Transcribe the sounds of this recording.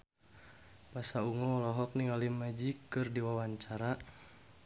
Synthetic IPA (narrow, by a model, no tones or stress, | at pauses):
pasauŋɔɔlɔɦɔk̚niŋalimad͡ʒikɨrdiwawaɲt͡ʃaɾa